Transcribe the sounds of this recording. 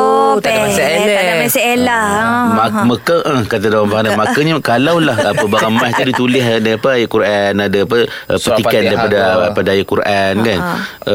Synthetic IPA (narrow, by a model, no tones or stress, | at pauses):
at̪aamaselamaməkəʔəhkat̪̬adawambaɦanamakəɲəkalawlahapəbaɾamast̪udit̪ulɪɦdaapəajaʔkuɾʔanadaapəəpət̪itkandaɾipadaapadaajaʔkuɾankan